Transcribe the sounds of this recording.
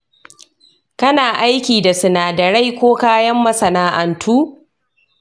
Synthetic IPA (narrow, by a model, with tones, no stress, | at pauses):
kɐ˦naː˨ʔa˦jkʲiː˨da˨sɪ˨naː˨dɐ˨ɽa˦jkʷoː˦kaː˦jɐ˦mːɐ˦sɐ˨naː˦ʔɐ˨ntʰuː˦